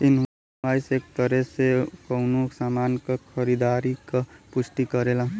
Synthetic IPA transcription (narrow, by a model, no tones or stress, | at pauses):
t̪in | ajsekt̪ʌɾesekʌwnusamankʌkʰʌɾid̪aɾikʌpust̪ikʌɾelã